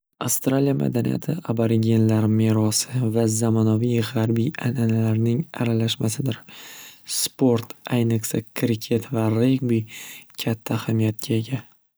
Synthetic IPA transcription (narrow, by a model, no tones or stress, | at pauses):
afst̪ɾalijamʔa̰d̪anḭja̰t̪ʰɪabaɾɪɡʲe̞nlaɾmeɾɒsɪvazamanavijʁaɾbijananalaɾnɪŋaɾalaʃmasɪd̪ɪɾ | spo̞ɾt̪ajnɨqsakʰɾɪkʲʰe̞t̪ʰvaɾeɡbikʲʰat̪ʰːahamijat̪̚ɡʲʰae̞ɡʲa